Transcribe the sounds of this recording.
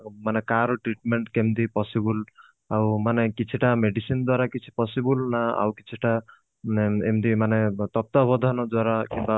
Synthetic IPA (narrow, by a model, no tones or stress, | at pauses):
manekaɾɔʈɾiʈmeɳʈkemd̪ipɔsibul | awmanekit͡ʃʰiʈameɖisind̪waɾakit͡ʃʰi̥pɔsibulnaa̰wkit͡ʃʰiʈa | emd̪imanet̪ɔp̚t̪ɔbɔd̪ʱanɔd̪waɾakimba